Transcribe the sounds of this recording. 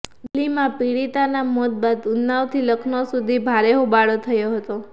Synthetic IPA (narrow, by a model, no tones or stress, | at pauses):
limãpiɽit̪anamot̪̚bad̪ʊnːaʋt̪ʰiləkʰnosud̪ʱibʱaɾeɦobaɭot̪ʰəjoɦət̪o